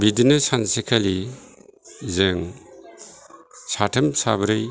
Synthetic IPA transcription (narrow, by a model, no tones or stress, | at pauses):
bidinasansekʰali | zeŋ | satʰɐmsabɾɯj